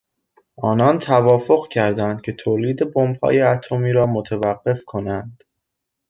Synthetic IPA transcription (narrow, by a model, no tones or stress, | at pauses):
ʔɒːnɒnt̪ʰævɒːfo̞ɣcʰæɾd̪ænd̪̥̚cʰe̞t̪ʰoːliːd̪e̞bombhɒ̰ːjeæt̪ʰomiːɾɒːmot̪ʰevæɢːe̞fkʰo̞nænd̪̥